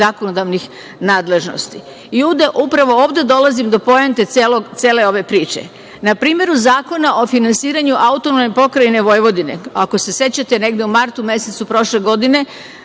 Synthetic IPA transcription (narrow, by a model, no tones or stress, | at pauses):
akonod̪aʋnix | naːd̪le̞ʒno̞̰st̪i | ioʋd̪e̞ʔupɾaʋo̞oːʋd̪e̞d̪o̞lazimd̪o̞po̞jent̪e̞elot̪se̞ːle̞o̞ʋe̞pɾiːt͡ʃḛ | napɾiːme̞ɾuzaːko̞naʔo̞finansiːɾaɲuʔaut̪o̞nomepo̞kɾaine̞ʋo̞jʋo̞d̪ine̞̰ako̞se̞se̞t͡ɕat̪e̞ne̞ɡd̪eumaɾt̪umje̞se̞t̪supɾo̞ʃle̞ɡo̞d̪ine̞